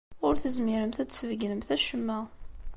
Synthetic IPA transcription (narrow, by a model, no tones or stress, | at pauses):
ʊɾθəzmiɾəmθæt͡sːsvəɡnəmθæʃəmːæ